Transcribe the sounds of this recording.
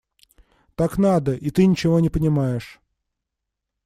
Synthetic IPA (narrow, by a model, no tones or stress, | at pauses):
t̪aknad̪əʔit̪ɨnʲɪt͡ɕɪvo̞nʲɪpənʲɪmajɪʂ